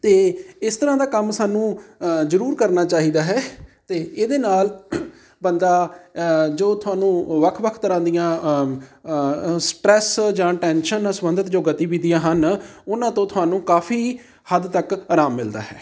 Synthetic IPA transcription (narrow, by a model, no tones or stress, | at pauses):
t̪eːɪst̪əɾãːd̪aːkəmsaːnũːzəɾuːɾkəɾnaːt͡ʃaːɦiːd̪aːɦɛːt̪eːeːd̪eːnaːl | bənd̪aː | d͡ʒoːt̪ʰʊaːnũːʋəkʰʋəkʰt̪əɾãːd̪ijãː | sʈɾɛːsd͡ʒãːʈɛːnʃənãsəmənd̪ət̪d͡ʒoːɡət̪iːbiːd̪ijãːɦənʊnãːt̪õːt̪ʰʊɦaːnũːkaːfʰiː | həd̪t̪əkaːɾaːmːɪld̪a̰ːɦɛː